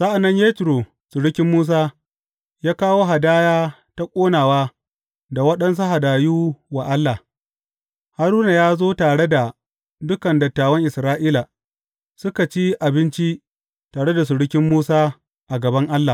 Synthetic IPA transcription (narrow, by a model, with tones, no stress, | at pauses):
sa˦ʔa˨nːɐ˦ɲjeː˦tɾo˨ | sʊ˨ɽʊ˦kʲɪ˦mːuː˦s̬aː˦ | jaː˦kaː˦woː˦ɦa˨daː˦jaː˦ | ta˦kʷʼoː˦naː˨waː˦ | da˨wɐ˦ɗɐ˦ns̬u˦ɦa˨daː˨juː˦wa˨ʔa˦lːa˨ | ha˦ɾuː˦na˨jaː˦zoː˦taː˨ɽe˦da˨ | dʊ˦kɐ˨ndɐ˨tːaː˨wɐ˦ŋʔɪ˨sɾaː˦ʔiː˦la˨ | sʊ˦ka˨t͡ʃi˦ʔa˨bɪ˦nt͡ʃi˦ | taː˨ɽe˦da˨s̬ʊ˨ɽʊ˦kʲɪ˦mːuː˦saː˦ | ʔa˨ɡɐ˨bɐ˦ŋʔa˦lːa˨